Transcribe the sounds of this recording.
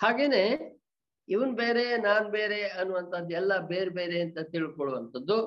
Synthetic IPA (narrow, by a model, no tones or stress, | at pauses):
haːɡeːne̞ː | iʋɐnubeːɾenaːnube̞ːɾeɐnːuʋɐnt̪ʰɐd̪ɛlːɐbeːɾbeːɾeɐnt̪ɐt̪iɭkɔɭuʋɐnt̪ʰɐd̪ːu